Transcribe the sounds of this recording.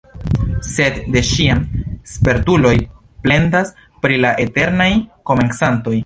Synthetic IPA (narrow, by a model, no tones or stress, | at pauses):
se̞dde̞ʃianspe̞ɾtulo̞j | ple̞ndas | pɾilaʔe̞te̞ɾnajko̞me̞nsanto̞j